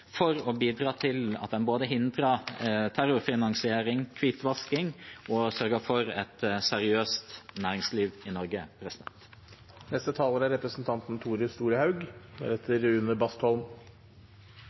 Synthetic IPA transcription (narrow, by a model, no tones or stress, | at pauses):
fɔɾɔbiːd̪ɾɑːt̪ʰɪlɑ̰t̪̚ɛnboːd̪əɦɪnd̪ɾɑt̪ʰæɾʊɾfɪnɑŋsɪeːɾɪŋkʰʋit̪ʋɑskɪŋɔsœɾɡəfɔɾɛ̰t̪sɛɾɪøːst̪næːɾɪŋsliːʋɪnɔɾɡəpʰɾɛsɪd̪ɛ̰nt̪ | nɛst̪ət̪ʰɑːləɾæɾɛpɾəsn̩t̪ʰɑnt̪n̩t̪ʰuːɾəst̪uːɾəhɑʉɡ̪ɛ̰ɾɛt̪ʰːəɾʉnəɾbɑst̪hɔlm